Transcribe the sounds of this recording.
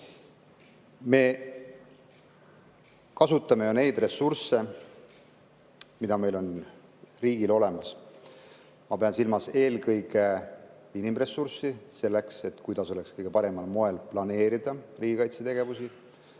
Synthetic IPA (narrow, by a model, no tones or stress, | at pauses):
me̞ | kɑsut̪ːˑɑme̞jone̞jd̪̥re̞sːurse̞ | mid̪ɑme̞jlo̞n | riːɡ̥ilo̞le̞mɑs | mɑpe̞ɑnsilmɑse̞ːlkɤjɡe | inimre̞sːursise̞lːe̞kse̞t̪kujd̪̥ɑso̞le̞kskɤjɡ̥e̞pɑɾe̞mɑlmo̞e̞lplɑne̞ːɾid̪̥ɑriːɡikɑjt̪set̪e̞ɡ̥e̞vusi